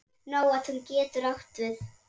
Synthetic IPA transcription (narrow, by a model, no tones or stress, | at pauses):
naːwaðhuncɛːt̪ʏɾawht̪vɪθ